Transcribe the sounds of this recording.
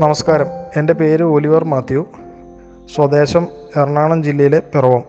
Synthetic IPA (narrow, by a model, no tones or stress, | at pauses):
nɐmɐskaːɾɐme̞nde̞pe̞ːɾɨoliʋɐrmaːt̪ːju | swɐd̪e̞ːɕɐmerɳaːɳɐmd͡ʑilːɐjile̞pirɐʋɐm